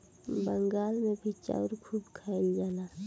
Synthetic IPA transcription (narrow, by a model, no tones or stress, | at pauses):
bəŋɡaːlmẽbʱit͡ʃa̰ːʊɾkʰuːbkʰaːɪld͡ʒaːnaː